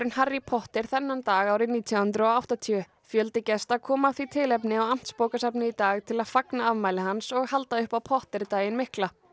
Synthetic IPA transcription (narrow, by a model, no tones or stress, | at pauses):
ɾʏnharːipʰɔht̪ɪɾ̥θɛnːant̪aːɣaːwɾɪniːt̪ʰijahʏnt̪ɾʏɔɣawht̪at̪ʰiʏ | fjœlt̪ɪcɛst̪akʰɔːmaθvit̪ʰɪlɛpnɪawam̥t̪spoːwkasapnɪit̪aːɣt̪ʰɪlaðfaknaavmaːjlɪɦansɔɣhalt̪aʏhpawpʰɔht̪ɪɾt̪aːjɪnmɪhkla